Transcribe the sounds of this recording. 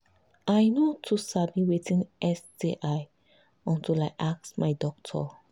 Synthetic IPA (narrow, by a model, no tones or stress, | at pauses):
ʔajnotʰusabiwetĩnʔɛsdeʔaj | ɔ̃ntilajʔak̚smajdɔk̚tʰɔ̰